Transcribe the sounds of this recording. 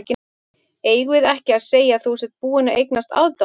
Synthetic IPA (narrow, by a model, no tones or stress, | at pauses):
cɪ | eːjɣɪðɛhcɪaðseːjaθusɛt̪̚puːɪnaʔejknast̪a̰wt̪a